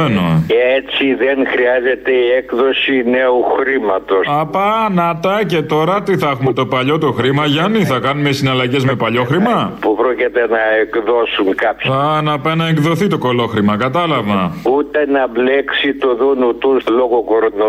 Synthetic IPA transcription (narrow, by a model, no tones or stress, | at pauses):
enoet͡siðenxɾiɐze̞t̪e̞iekðo̞sineuxɾimɐt̪osɐpɐnɐt̪ɐce̞t̪o̞ɾɐt̪iθɐxumet̪o̞pɐʎo̞t̪oxɾimɐʝɐniθɐkɐnumesinɐlɐʝe̞zme̞pɐʎo̞xɾimɐpupɾocit̪e̞nɐekðosuŋkɐpɐnɐpɐnɐekðoθit̪o̞ko̞lo̞xɾimɐkɐt̪ɐlɐvɐut̪enɐbleksit̪oðunut̪usloɣokoɾno